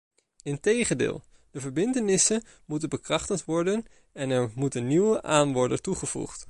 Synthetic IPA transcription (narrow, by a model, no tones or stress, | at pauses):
ɪntejχəndɪ̰ːlˠ | dəvəɹbɪntənɪsən | mutənbəkrɑχtəntʋɔɹdən | ɛnɛɹmutənniwəʔaːnʋɔɹdətuχəvṵχt